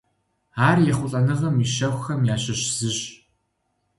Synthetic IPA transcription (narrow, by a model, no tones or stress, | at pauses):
aːrjɛχʷʊɬʼɐnɨʁɐmiʃɐxʷxɐmjaːɕɐɕz̥ɨɕ